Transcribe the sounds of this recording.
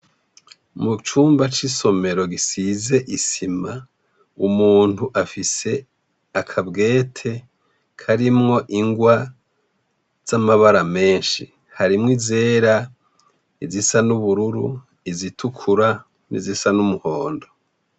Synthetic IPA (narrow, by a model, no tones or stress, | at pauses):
mut͡ʃuːmbat͡ʃiso̞me̞ɾo̞ɡisize̞ʔisima | umuːnuʔafise̞ | akʰabɡe̞ːtʰe̞ | kʰaɾimŋo̞ʔiŋɡwa | z̥amaβaɾame̞ːnʃi | haɾimŋize̞ːɾa | izisanuβuɾuɾṵ | izitʰukʰuɾa | nḭzisanumuho̞ːndo̞